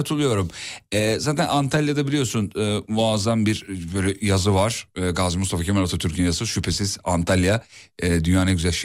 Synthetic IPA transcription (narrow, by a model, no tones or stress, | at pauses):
at̪ʰɯlˠujo̞ɾumɛːzaːt̪ʰænʔant̪ʰalʲjad̪abilʲijo̞ɾsunɯːmuazanbiɾbøːlʲɛjazɯvaɾ̥ɯːɡazimust̪afacʰemlat̪ʰat̪ʰyɾcʰinjazɯʃypʰe̞siz̥ant̪ʰalʲjaɛd̪ynjaːnaɟyzɛʃ